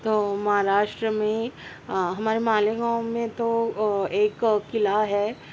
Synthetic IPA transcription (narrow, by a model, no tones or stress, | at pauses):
t̪oːmɐɦaɾaːʃʈɾəmẽ | ɦɐmaːɾemaːleɡãːmːẽt̪oeːkkɪlaɦɛː